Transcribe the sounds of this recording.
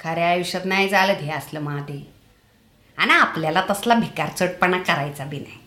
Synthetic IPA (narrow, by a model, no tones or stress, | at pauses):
kʰəɾeaʋiɕət̪naɦid͡zaləd̪ʱeəsləmaɦad̪e | añiapljalat̪əslabʱikaɾt͡səʈ̚pəɳakəɾajt͡sabʱina̰j